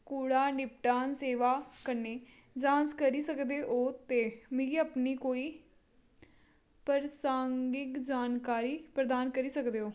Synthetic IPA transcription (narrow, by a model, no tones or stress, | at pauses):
kuːɽaːnɪpʈaːnseːʋaːkəɾneː | d͡ʒãːd͡ʒkəɾiːsəkd̪eːʔoːt̪eːmɪ̃əpniːkoːiː | pəɾsãːŋɡɪkd͡ʒaːnkaːɾiːpɾəd̪aːnkəɾiːsəkd̪eːɦoː